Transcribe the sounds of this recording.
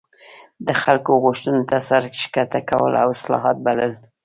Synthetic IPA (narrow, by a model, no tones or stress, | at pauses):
d̪əxalkoɣʊʃt̪unot̪asaɾʃkat̪akawə̰la̰wɪslɑ̰ɦɑt̪̚baləl